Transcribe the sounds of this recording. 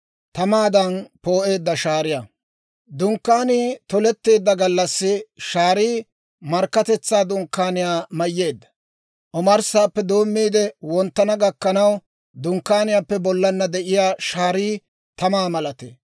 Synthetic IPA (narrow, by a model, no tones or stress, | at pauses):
t̪ɐmaːd̪ɐnpo̞ːʔe̞ːd̪ːɐʃaːɾɪja | d̪ʊŋkːaːniːt̪ɔlɛt̪ːe̞ːd̪ːɐɡɐlːɐsːɪʃaːɾiː | mɐɾkːɐt̪ɛt͡sːaːd̪ʊŋkːaːnɪjaːmɐjːe̞ːd̪ːɐ̥ | ʔɔmɐɾsaːpːɛd̪o̞ːmːiːd̪ɛwɔnt̪ːɐnɐɡɐkːɐnɐw | d̪ʊŋkːaːnɪjapːɛbɔlːɐnːɐd̪ɛʔɪjaːʃaːɾiː | t̪ɐmaːmɐlɐt̪ḛː